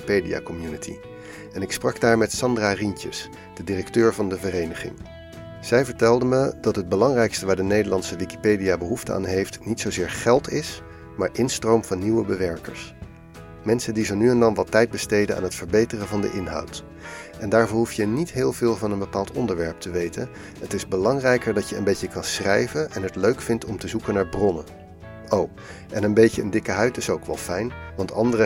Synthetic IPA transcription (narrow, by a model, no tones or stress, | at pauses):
pejdia̰kɔmjunətʰḭ | ɛnɪksprɑɡdaːɹmɛtsɑndrarintə̰s | d̥ədirɛktøːɹvɑndəvərejnəχɪ̰ŋ | z̥ɛjvəɹtɛlˠdəməd̥ɑtɦəd̚bəlɑŋrɛjkstəʋaːɹdənejdəlɑntsəʋiki̥pejdijabəɦuftəa̰ːnɦejftnitsowzɪːɹχɛlˠtɪs | maːɹʔɪnstrowmv̥ɑnːiwəbəʋɛɹkə̰ɹs | mɛnsəndizonyɛndɑnʋɑtːɛjd̚bəstejdəna̰ːnɦətfəɹbejtərəvɑndə̰ʔɪnɦɑ̰wt | ʔɛndaːɹvʊːɹɦuftjənitɦɪːlˠvɪːlˠvɑnənbəpaːlˠtɔndəɹʋɛɹp̚tʰəʋejtən | ɦətɪzbəlɑŋrɛjkəɹdɑtjəənbejəkɑnsrɛjvənʔɛnɦətløɥkfɪntɔmtəzukənaːɹbrɔnə | ow | ʔɛnənbejcəəndɪkəɦœɥtɪsowkʋɛ̰lˠfɛjnʋɑntɑ̰ndərə